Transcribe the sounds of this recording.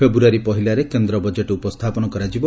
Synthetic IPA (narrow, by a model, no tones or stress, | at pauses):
ebuaɾipɔɦilaɾekend̪ɾɔbɔd͡ʒeʈɔupɔst̪ʰapɔnɔkɔɾad͡ʒibɔ